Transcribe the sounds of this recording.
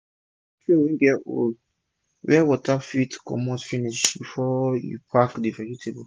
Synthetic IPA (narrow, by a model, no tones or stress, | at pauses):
fiwĩɡɛo̰l | wɛwɔtafitkʰɔ̰mɔtfiniʃbifɔjṵpʰakdifɛkitʰebo